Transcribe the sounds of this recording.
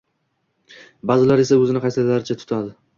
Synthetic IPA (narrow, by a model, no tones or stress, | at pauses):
bazɪlaɾe̞saɵzɪnɪqʰɑjsɪlaɾɪt͡ʃʰat̪ʰʊ̥t̪ʰad̪ɪ